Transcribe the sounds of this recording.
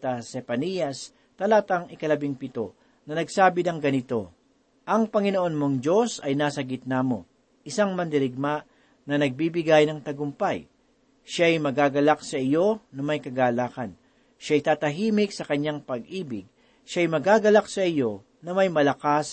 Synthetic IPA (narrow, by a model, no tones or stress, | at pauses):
t̪ɐsɛpɐnijɐs | t̪ɐlat̪ɐŋɪkɐlɐbɪŋpɪt̪o̞ | nɐnɐɡsaːbɪd̪ɐŋɡɐnɪt̪o̞ | ʔɐŋpɐŋɪnoʔonmo̞ŋd͡ʒo̞sɐjnaːsɐɡɪt̪̚namo̞̰ | ʔɪsaŋmɐnd̪ɪɾɪɡ̚maʔ | nɐnɐɡ̚bibɪɡajnɐŋt̪ɐɡʊmpaj | ʃajmɐɡaːɡɐlaksɐɪjo̞nɐmɐjkɐɡaːlaːkɐn | ʃajt̪aːt̪ɐɦiːmɪk̚sɐkɐɲːaŋpɐɡʔiːbɪɡ̚ | ʃajmɐɡaːɡɐlaksɐʔɪjo̞ | nɐmɐjmɐlɐkas